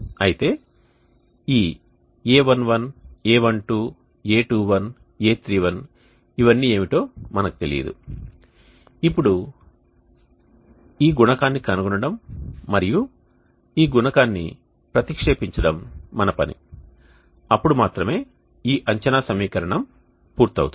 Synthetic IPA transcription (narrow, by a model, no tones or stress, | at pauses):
ɐjit̪e̞ː | iː | eːʋɐnʋɐneːʋɐɳʈuː | eːʈuːʋɐn | eːt̪ɾiːʋɐn | iʋɐnːiːe̞ːʋiʈo̞ːmɐnɐku̥t̪e̞lḭɐ̰d̪ṵ | ipːuɽu | iːɡunɐkaːnːikɐnuɡunɐɽɐmːɐɾiju | iːɡunɐkaːnːḭ | pɾɐt̪ikʂeːpiɲt͡ʃɐɽɐmːɐnɐpɐnḭ | ɐpːuɽumaːt̪ɾɐme̞ː | iːʔɐɲt͡ʃɐnaːsɐmiːkɐɾɐɳɐm | puːɾt̪ɐ̰wṵt̪u